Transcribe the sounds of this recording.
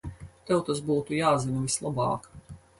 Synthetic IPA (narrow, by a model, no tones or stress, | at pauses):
t̪ɛwt̪asbuːt̪ujaːzinʲvislˠabɑ̰ːk